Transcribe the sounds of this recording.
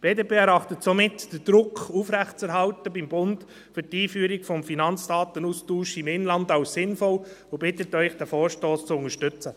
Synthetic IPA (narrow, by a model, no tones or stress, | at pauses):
b̥eːdeːpeːɛɾɑχtətsomɪtd̥əd̥ɾʊkʰuːfɾæχtt͡sɛɾɦɑltəbimbʊnd | fʏɾtiːfyːɾiɡfɔmfinɑnt͡sd̥ɑːt̪ənuːstuːʃɪmɪnlɑndɑʊssɪnfɔlobɪt̪ətœʏχd̥æfoːɾʃtoːst͡sʊŋəʃtʏt͡sə